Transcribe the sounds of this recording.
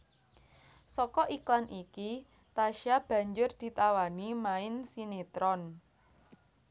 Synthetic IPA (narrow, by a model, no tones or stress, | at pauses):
sɔkɔʔiklanʔiki | t̪aʃab̥ä̤ɲd͡ʒʊrd̪̥i̤t̪awanimaɪnsinet̪ɾɔn